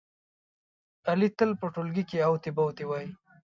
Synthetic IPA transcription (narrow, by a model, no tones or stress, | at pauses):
alit̪əlpəʈolɡikeawt̪ebawt̪ewaj